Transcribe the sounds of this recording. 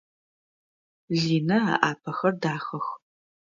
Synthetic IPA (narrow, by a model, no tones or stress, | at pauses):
ɮiːnɐa̰ːʔaːpʰɐxɐrdaːxɐx